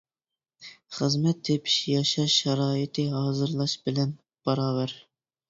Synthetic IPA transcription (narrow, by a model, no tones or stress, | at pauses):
χəzmɛt̪ʰːepʰi̥ʃjɑʃɑʃʃɛɾɑːɪt̪ʰɨɦɑːzɨɾlˠɑʃbɪlɛn | b̥ɑɾɑːvæɾ